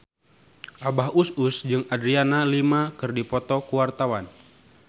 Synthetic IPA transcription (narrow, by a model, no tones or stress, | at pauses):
ʔabaɦususd͡ʒɨŋadɾianalimakɨrdipɔt̪ɔkuwart̪awan